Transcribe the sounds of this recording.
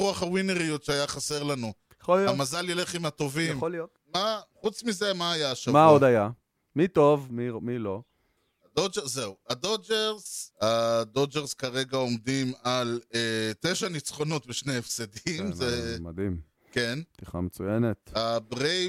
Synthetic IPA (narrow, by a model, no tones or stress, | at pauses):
uaχawineʁijotʃeajaχase̞ʁlanu | jaχolijamazaljele̞χimhat̪o̞vijmolijot̪ | maχut͡smize̞maːjaʃamaod̪aja | mit̪o̞vmimilo̞ | ad̪od͡ʒeze̞uad̪od͡ʒeʁzad̪o̞d͡ʒeʁzkaʁe̞ɡao̞md̪imalet̪e̞ʃanit͡sχo̞no̞t̪beʃneːfsed̪imzema̰d̪im | ke̞nt̪iχa̰met͡sujenet̪abʁe